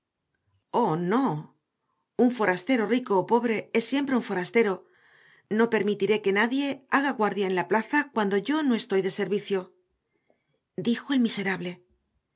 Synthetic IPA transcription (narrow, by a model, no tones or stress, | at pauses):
o̞no̞ | uɱfo̞ɾast̪e̞ɾo̞riko̞ːpo̞βɾe̞e̞sːje̞mpɾe̞uɱfo̞ɾast̪e̞ɾo̞ | no̞pe̞ɾmit̪iɾe̞ke̞naðje̞aɣaɣwaɾðjaenlaplaθakwand̪o̞ʝo̞no̞e̞st̪o̞jðe̞se̞ɾβiθjo̞ | d̪ixo̞e̞lmise̞ɾaβle̞